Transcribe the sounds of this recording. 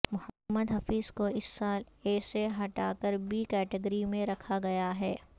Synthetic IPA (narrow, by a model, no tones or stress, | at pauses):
mʊhəmːəd̪ɦɐfiːzkoɪsːaːl | eːseɦɐʈaːkəɾbʱiːkɛːʈɪɡəɾimẽɾɐkʰaɡɐjaɦɛː